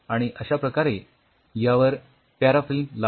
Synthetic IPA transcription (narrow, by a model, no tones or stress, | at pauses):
aɽ̃iʔəɕapɾəkaɾe | jaʋəɾ | paɾafilmla